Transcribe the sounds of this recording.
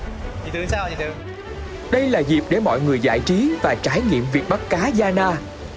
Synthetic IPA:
i˧˩ɨ˧˩aː˧i˧t̪ | ɗə˧jlaː˨˩zi˨˩p̚ɗe˧˩mɔ̰˧˨jŋɨ˨˩əjza̰ː˧˨jt͡ɕi˨˦vaː˨˩t͡ɕaː˨˦jŋḭ˧˨əmvi˨˩ək̚ɓa˦˥k̚kaː˨˦zaː˧naː˧

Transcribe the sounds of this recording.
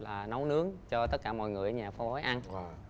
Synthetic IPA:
laː˨˩na˨˦wnɨ˨˦əŋt͡ɕɔ˧t̪ə˦˥t̚kaː˧˩mɔ̰˧˨jŋɨ˨˩əjɲaː˨˩fɔ˧˦ho˨˦jʔa˧n˧

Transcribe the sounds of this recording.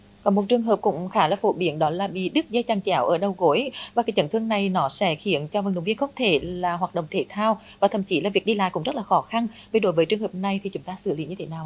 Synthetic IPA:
kɔ˨˩nmo˨˩t̚t͡ɕɨ˨˩əŋɦəː˨˩p̚kʊ̰˧˥ŋ͡mxaː˨˦laː˨˩fo̰˧˩ɓi˨˦ənɗɔ˨˦laː˨˩ɓḭ˧˨ɗɨ˦˥k̚zə˧jt͡ɕaː˨˩ŋt͡ɕaː˨˧˦wʔəː˧˩ɗə˨˩wɣo˨˦jvaː˨˩kaː˨˦jt͡ɕə˧˩nt̪ɨ˧əŋna˨˩jnɔ˨˦sɛ̰˧˦xḭ˧˨ənt͡ɕɔ˧və˨˩nɗwŋ͡mvi˧əŋxə˧wŋ͡mt̪ʰe˧˩laː˨˩ɦwaː˨˩t̚ɗə̰˧˨ŋ͡mt̪ʰe˧˩t̪ʰaː˧w | vaː˨˩t̪ʰə˧˩˨mt͡ɕi˨˦laː˨˩vi˨˩ək̚ɗi˧la̰ː˧˨kʊ̰˧˥ŋ͡mzə˦˥t̚laː˨˩xɔ˨˦xa˧nvi˨˩ɗo˨˦jvəː˨˦jt͡ɕɨ˨˩əŋhəː˨˩p̚na˨˩jt̪ʰi˨˩t͡ɕʊ˨˦ŋ͡mt̪aː˧sɨ̰˧˨li˨˦ɲɨ˧t̪ʰe˨˦naː˨˩w

